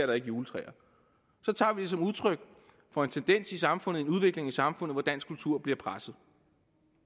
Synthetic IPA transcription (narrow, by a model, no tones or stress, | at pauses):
ɐɾɑ̈e̝ɡ̥əjuːlət͡sʰʁɛ̰ːɐ | sɒ̽t͡sʰɑ̰̈ːʋid̥esɒ̽muð̞ˠt͡sʰʁœɡ̥̚ | fɒ̽e̝nt͡sʰend̥en̰sisɑ̈mfɔ̽nð̩ˠe̝nuðˠʋe̝ɡ̥le̝ŋæsɑ̈mfɔ̽n̰ð̩ˠʋɒd̥æn̰sɡ̥kʰult͡sʰuɐ̰b̥liɐpʰʁasð̩ˠ